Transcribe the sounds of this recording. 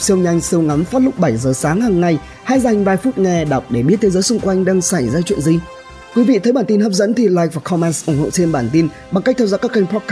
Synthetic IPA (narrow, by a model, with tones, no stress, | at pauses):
p̚si˧əwɲa˧jŋ̟sɨ˧əwŋa˨˦mfaː˦˥t̚lʊ˦˥k͡p̚ɓa˧˩jzəː˨˩saː˨˦ŋhaː˨˩ŋːa˧j | haː˧jza˨˩jŋ̟vaː˧jfu˦˥t̚ŋɛ˨˩ɗa˨˩k͡p̚ɗe˧˩ɓi˦˥t̪̚ʰe˨˦zəː˨˦jsʊ˧ŋ͡mkwa˧jŋ̟ɗa˧ŋsa˧˩jzaː˧t͡ɕwḭ˧˨ənzi˧ | k̪u˨˧˦vḭ˧˨t̪ʰə˨˦jɓaː˧˩nt̪i˧nhəː˦˥p̚zə̰˧˥nt̪ʰi˧˨˩laː˧˩jk̚vaː˨˩xʰɔ˧mɛ˧nsʔʊ˧˩ŋ͡mho̰˧˨t͡ɕe˧nɓaː˧˩nt̪i˧n | ɓa˨˧˩ŋka˦˥k̚t̪ʰaː˧zɔ̰ː˧˩kːaː˦˥kːa˧ŋ̟pɔ˦˥kː